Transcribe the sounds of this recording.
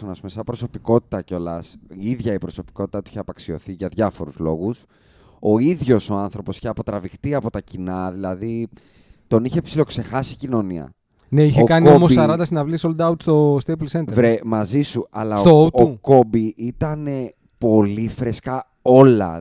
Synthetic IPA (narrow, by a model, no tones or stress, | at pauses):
onɐsumesɐpɾo̞so̞piko̞t̪i̥t̪ɐco̞lɐsiðʝɐipɾo̞so̞pi̥ko̞t̪it̪ɐt̪ui̥çeɐpɐksio̞̰θiʝɐðʝɐfo̞ɾuzlo̞̰ɣus | o̞iðʝo̞so̞ɐnθɾo̞posi̥çeɐpo̞t̪ɾɐvixt̪iɐpo̞t̪ɐcinɐðilɐði | t̪o̞niçepsilo̞kse̞xɐsicino̞niɐ̰ | neiçekɐnkiomosɐɾɐnd̪ɐsinɐvlisold̪ɐut̪st̪ost̪eplsenevɾemɐzisuɐlɐst̪oot̪ouko̞biʔit̪ɐne̞ | po̞lifɾeskɐ | o̞lɐ̰